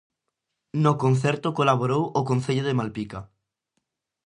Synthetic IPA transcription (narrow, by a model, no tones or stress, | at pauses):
nokõnθɛɾt̪okolaβ̞oɾowokonθeʎoðemalpika